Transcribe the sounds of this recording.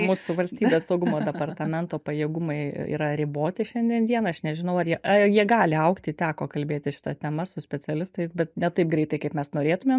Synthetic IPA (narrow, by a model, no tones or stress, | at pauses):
muːsʊʋɐlʲsʲt̪ʲiːbʲeːssɐʊɡʊmoːd̪ʲɛpɐrt̪ɐmʲɛnt̪oːpɐjeːɡʊmɐɪḭːɾɐɾʲɪboːt̪ʲɪʃʲɛnʲd̪ʲiɛnd̪ʲiɛnɐʃnʲɛʒʲɪnɐʊɐrjiɛʔɐjiɛɡɑːlʲɪɐʊkt̪ʲɪt̪ʲæːkoːkɐlʲbʲeːt̪ʲɪʃʲɪ̥t̪ɐt̪ʲɛmɐsʊsʲpʲɛt͡sʲɛlʲɪst̪ɐɪsbʲɛt̪nʲɛt̪ɐɪp̚ɡɾʲɛɪt̪ɐɪkɐɪpmʲɛsnoːɾʲeːt̪ʊmʲeːm